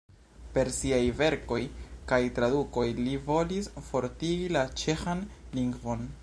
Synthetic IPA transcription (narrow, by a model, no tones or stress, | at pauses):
pe̞ɾsiajve̞ɾko̞jkajtɾaduko̞jlivo̞lisfo̞ɾtiɡilat͡ʃe̞xan | liŋɡvo̞n